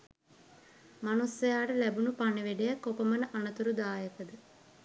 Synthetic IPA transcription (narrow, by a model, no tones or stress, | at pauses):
manusːɐjaːɖəlæbunupaneʋeɖejəkopəmənəʔanət̪uɾud̪aːjəkəd̪ə